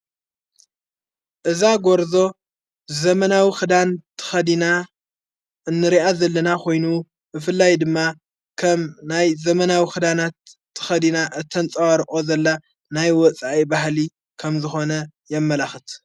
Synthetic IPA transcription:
ʔɨzaɡo̞ɾzo̞ | zɐmɐnawixɨd̪ant̪ʰɨ̥xɐd̪ina | ɨnːɨɾiʔazɐlːɐnakʰo̞jnu | bɨfɨlːajd̪ɨmːa | kʰɐmnajzɐmɐnawixɨd̪anat̪ʰː | ɨ̥xɐd̪inaʔɨt̪ʰːɐnt͡sʼɐwaɾʔʼo̞zɐlːa | najwɔt͡sʼaʔibahli | kʰɐmzɨxo̞nɐ | jɛmːɐlaxɨt̪

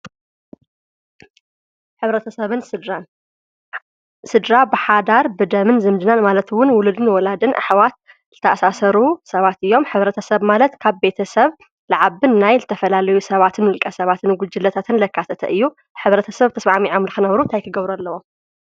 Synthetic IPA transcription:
ħɨβɾɐt̪ʰɐsɐβɨnsɨd̪ɾan | sɨd̪ɾabɨħad̪aɾbɨd̪ɐmɨnzɨmd͡ʒ̪ɨnanmalɐt̪wʊnwʊlud̪ɨnwɔlad̪ɨnʔa̰ħwat̪̚ | zɨt̪ʰɐʔasasɐɾusɐβat̪ɨjːo̞mħɨβɾɐt̪ʰɐsɐβmalɐt̪kʰaβbe̞t̪ʰɐsɐβ | laʕaβɨnnajzɨt̪ʰɐfɐlalɐjusɐβat̪ʰɨnɨlkʼɐsɐβat̪ʰɨnɡud͡ʒɨlːɐt̪ʰat̪ʰɨnlɐkʰːat̪ʰɐt̪ʰɐ̰ʔɨjːu | ħɨβɾɐt̪ʰɐsɐβt̪ʰɐsmaʕmiʕomlɨxɨnɐβɾunt̪ʰajkʰɨɡɐβɾualːɐwo̞m

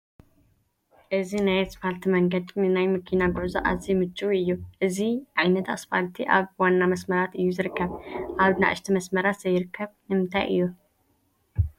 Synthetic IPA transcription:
ʔɨzinajɛt̪sfalt̪ʰiməŋɡəd̪mnajməkʰinaɡozaʔa̰zimɨt͡ʃʼːuɨjːuʔɨziʔajnət̪a̰sfalt̪ʰiʔa̰βwanːaməsməɾat̪ɨjːuzɨɾɨkʰːəβʔaβɨna̰ʔɨ̰ʃt̪ʰiməsməɾat̪səjɪɾɨkʰːəβnɨmt̪ʰa̰jʔɨ̰jːu

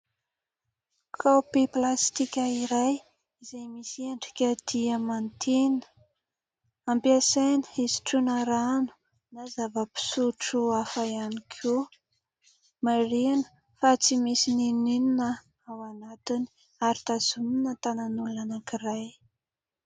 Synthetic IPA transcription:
kʰapiplast̪ikʲəiɾaj | izajmisiaɳɖ͡ʐi̥kʲəd̪̥iəmant̪ʰenə̥ | ampjasajnə̥izi̥ʈ͡ʂunəɾanu̥ | nazavəpi̥suʈ͡ʂuafajanikʰu | marianə̥ | fat͡simisininininə | awanat̪ini̥ | aɾit̪azuminət̪ananuluanakiraj

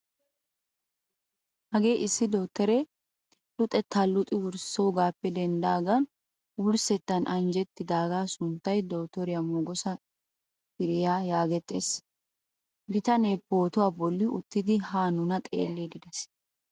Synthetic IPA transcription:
hɐɡe̞ːʔɪsːɪd̪oːt̪ːɛɾɛ | lʊt̪ʼɛt̪ːɐlʊt̪ʼɪwʊɾsowɡaːpːɛd̪ɛnd̪aːɡɐn | wʊɾsɛt̪ːɐnʔɐnd͡ʒɛt̪ːɪd̪aːɡaːsʊnt̪ːɐjd̪oːt̪ːɔɾɪjɐmoːɡɔsɐ | fɪɾɪjaːjaːɡɛt̪ʼːḛːs | bɪt̪ɐneːpo̞ːt̪ʊwaːbɔlːɪʊt̪ːɪd̪ɪhaːnʊnɐt̪ʼḛːlːeːɡ̪ɪd̪ɛs

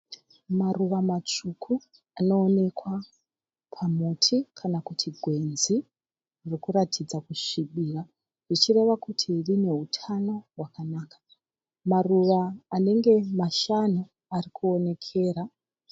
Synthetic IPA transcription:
maruʋamat͡ʂukʰu | ano̞ːne̞kwa | pʰamutʰikʰanakutʰiɡʱwe̞nzi | rikuɾatʰid͡zakuʃiɓiːra | rit͡ʃire̞ʋakutʰirine̞ɦutʰano̞wakanaːkḁ | maruʋaːne̞ŋɡe̞maʃanu | arikuo̞ne̞kʰe̞ːɾa

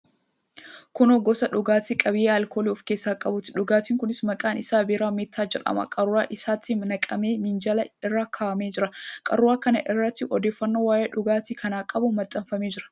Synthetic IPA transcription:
kʊnɔɡːɔsɐᶑʊɡaːt̪ikʼɐbɪjeːɐlkoːliʊfke̞ːsːaːkʼɐbʊt̪ɪ̥ᶑʊɡaːt̪iːŋkʊnɪsmɐkʼaːnʔɪsaːbɪɾaːmeːt̪ʰːaːd͡ʒɛᶑɐ̰mɐ̰kʼɐrːʊɾaːʔɪsaːt̪ːɪnɐkʼɐmeːmɪnd͡ʒɐlɐɪrːaːkʰaːʔɐmeːd͡ʒɪɾɐkʼɐrːʊɾaːkɐnɐʔɪrːɐt̪ːɪʔɔd̪e̞ːfːɐnːoːwaːjeːᶑʊɡaːt̪ikʰɐnaːkʼɐbʊmɐt̪ʼːɐmfɐmeːd͡ʒɪɾɐ̥

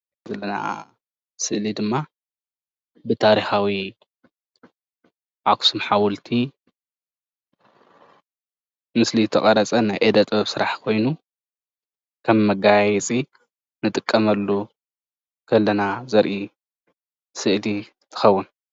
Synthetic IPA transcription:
zɐlːɐna̰ | sɨʔlid̪ɨmːa | bɨt̪ʰaɾixawi | ʔaksumħawʊlt̪ʰi | mɨsliɨt̪ʰɐkʼɐɾɐt͡sʼɐnajʔed̪ɐt̪ʼbɐβsɨɾaħkʰo̞jnu | kʰɐmːɐɡajɛt͡sʼi | nɨt̪ʼɨkʼːɐmɐlːu | kʰɐlːɐnazɐɾʔi | sɨʔli | t̪ʰɨ̥xɐwːʊn

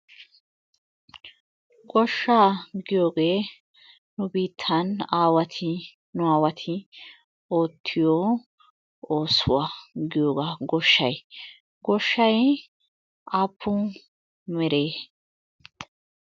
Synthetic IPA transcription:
ɡɔʃːaːɡɪjo̞ːɡe̞ː | nʊbiːt̪ʰːɐnaːwɐt̪ʰɪ | nʊaːwɐt̪ʰɪ | o̞ːt̪ʰːɪjɔ | oːsʊwaːɡɪjo̞ːɡaːɡɔʃːɐ̰j | ɡɔʃːɐj | aːpʰːʊ | mɛɾeː

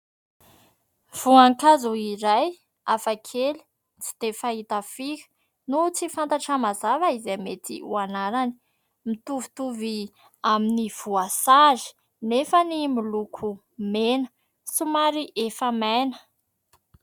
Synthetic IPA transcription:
v̥uaŋkazuiɾaj | afakʰeli̥ | t͡si̥t̪efait̪afikə̥ | nut͡sifant̪aʈ͡ʂəmazavaizemet̪ḭṵanaɾani̥ | mit̪uvit̪uvi | aminiv̥uasazi̥ | nefənimilukʰu | menə̥ | sumaɾiʔefəmajnə̥

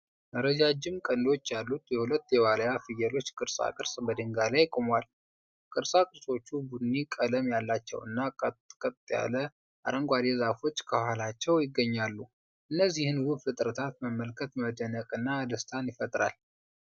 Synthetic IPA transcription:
məɾəd͡ʒad͡ʒɪmkʼənd̪o̞t͡ʃːjalːut̪jɛhulət̪ːjɛwaləjafɨjɛlo̞t͡ʃːkʼɨɾsʼa̰kʼɨɾsbəd̪ɨŋɡalajkʼomwal | kʼɨɾsʼakʼɨɾso̞t͡ʃːubud̪nːikʼələmjalːat͡ʃːɛ̰wɨ̰nːakʼət̪ʼja̰lə | ʔaɾəŋɡʷad̪ezafo̞t͡ʃːkʰəhalat͡ʃːɛwjɪɡːəɲːalːu | ʔɨnːəzːihɨnwubfɨt̪ʼɾət̪ʰat̪məmːəlkʰət̪məd̪ənəkʼɨnːad̪əst̪ʰanjɪfət̪ʼɾa̰l

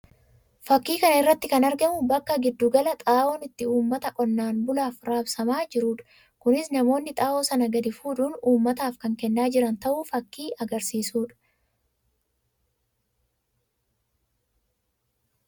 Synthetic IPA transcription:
fɐkːiːkɐnɐɪrːɐt̪ːɪkɐnɐɾɡɐmʊbɐkːɐɡɪd̪ːuɡɐlɐt̪ʼaːʔoːnɪt̪ːɪuːmːɐt̪ɐkʼɔnːaːnbʊlaːfɾaːbsɐmaːd͡ʒɪɾuːᶑ̥ | kʊnɪsnɐmo̞ːnːɪt̪ʼaːʔoːsɐnɐɡɐd̪ɪfuːᶑuːnuːmːɐt̪aːfkɐŋkɛnːaːd͡ʒɪɾɐnt̪ɐʔuːfɐkːiːʔɐɡɐɾsiːsuːᶑɐ̥

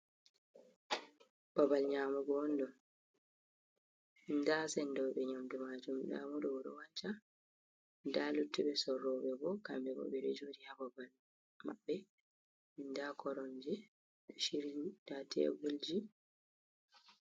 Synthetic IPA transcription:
b̥abalɲaːmɔɡɔɔndɔn | ndasɛndɔɓɛɲamdumad͡ʒumɗa̰mɔɗɔwɔɗɔ̰waɲt͡ʃa | ndalutːuɓɛsɔɾːɔbɛbɔkambɛbɔ̰ɓɛɾɛ̰d͡ʒoːdihababal | ma̰ɓːɛ | ndakʰɔɾɔɲd͡ʒɛ | ɗɔʃiɾiudatʰɛ̰ɡuld͡ʒi

